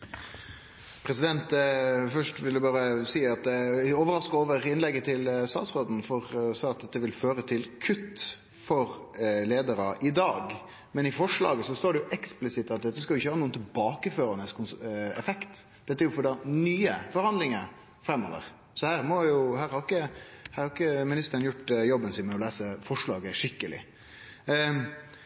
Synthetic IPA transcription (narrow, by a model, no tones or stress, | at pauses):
pʰɾɛsɪd̪ɛnt̪fœʂʈʋɪld̪ʉbɑːɾəsiːɑt̪d̪ɛoːʋəɾɑskəoːʋəʁɪnlɛɡːət̪ʰɪlst̪ɑ̰ːt̪sʁoːd̪n̩fɔʁɔsɑɑt̪̚d̪ɛt̪ːəʋɪlføːɾət̪ʰɪlkʰʉt̪ː | fɔɾleːd̪əɾəʔɪd̪ɑːɡ | mɛnɪfɔʂlɑ̰ːɡəsɔst̪oːɖɛjʊʔɛksplɪsɪt̪ːɑt̪̚d̪ɛt̪ːəskɑlʊɪçəhɑːnuːənt̪ʰɪlbɑːkəføːɾɑnəskʰʊnsɛ̰fɛkt̪d̪̥ɛt̪ːæɾjʊfɔɖɑnyːəfɔɾhɑnd̪lɪŋəɾ | fɾɛmːo̰ːʋə̰ɾ | sɔhæːɾmɔjʊhæːɾhɑʁɪkːəhæːɾhɑɾɪkːəmɪnɪst̪əɾənjʊʈjɔbːənsɪnmɛɔlæːsəfɔʂɭɑːɡəʂɪkːəlɪ̰